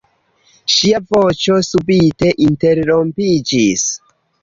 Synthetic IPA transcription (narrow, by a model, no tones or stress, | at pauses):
ʃiavo̞t͡ʃo̞subite̞ʔinte̞ɾɾo̞mpid͡ʒis